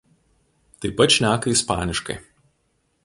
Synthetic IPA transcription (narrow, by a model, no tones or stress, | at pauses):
t̪ɐɪpɐt̪ʃʲnʲæːkɐispɑ̰ːnʲɪʃkɐ̰ɪ